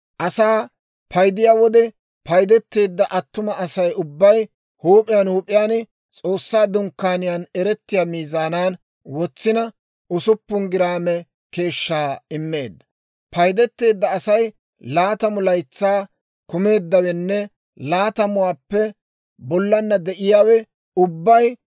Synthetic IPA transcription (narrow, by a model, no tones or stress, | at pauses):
ʔɐsaː | pʰɐjd̪ɪjaːwɔd̪ɛ | pɐjd̪ɛt̪ːe̞ːd̪ːɐʔɐt̪ːʊmɐɐsɐjʊbːɐj | huːpʼɪjaːnhuːpʼɪjaːnɪ | t͡sʼo̞ːsːaːd̪ʊŋkːaːnɪjaːnɛɾɛt̪ːɪjaːmiːzaːnaːn | wɔt͡sːɪnɐ | ʔʊsʊpːʊnɡɪɾaːmɛ | ke̞ːʃːaːɪmːe̞̰ːd̪ːɐ̥ | pɐjd̪ɛt̪ːe̞ːd̪ːɐːsɐj | laːt̪ɐmʊlɐjt͡sːaː | kʊme̞ːd̪ːɐwɛnːɛ | laːt̪ɐmʊwaːpːɛ | bɔlːɐnːɐd̪ɛʔɪjaːwɛ | ʊbːɐj